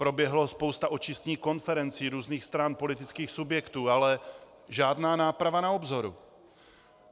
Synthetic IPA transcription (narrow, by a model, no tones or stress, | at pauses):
pɾo̞bjɛɦlospowst̪aʔo̞t͡ʃɪst̪ɲiːxko̞nfɛɾɛnt͡siːɾuːzniːxst̪ɾanpo̞lɪt̪ɪt͡skiːxsubjɛkt̪uːalɛ | ʒaːdnaːnaːpɾavanaobzo̞ɾṵ